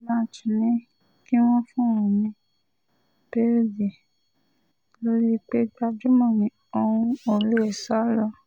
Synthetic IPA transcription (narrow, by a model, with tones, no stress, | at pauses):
lã˦˨t͡ʃũ˨nĩ˦ | ki˦w̃ɔ̃˦fũ˦˨ũ˨mĩ˧ | pe˦ɾd͡ʒi˨ | lo˦ɾi˦˧k͡pe˦ɡ͡ba˧d͡ʒu˦mɔ̃˦˨nĩ˧ | o˧hũ˧o˨ɾe˨˦e˦˨sa˨˦lɔ˧˦